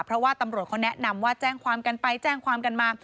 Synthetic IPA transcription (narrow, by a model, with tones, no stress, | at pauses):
pʰɾɔ˦˥waː˥˩t̪a˧mɾu˨˩ət̪̚kʰɔ˦˥nɛ˦˥ʔna˧mwaː˥˩t͡ɕɛː˥˩ŋkʰwaː˧mka˧npa˧jt͡ɕɛː˥˩ŋkʰwaː˧mka˧nmaː˧˩